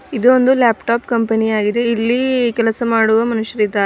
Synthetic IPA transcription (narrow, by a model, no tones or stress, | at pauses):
id̪uond̪uljaːpʈaːpkɐmpenijaːɡid̪e̞ilːikɛlɐsɐmaːɽuʋɐmɐnuʃjɐɾid̪aː